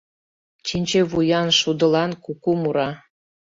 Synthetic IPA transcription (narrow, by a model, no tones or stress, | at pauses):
t͡ɕinʲt͡ɕeβujɑnʃud̪ə̆lɑnkukumuɾɑ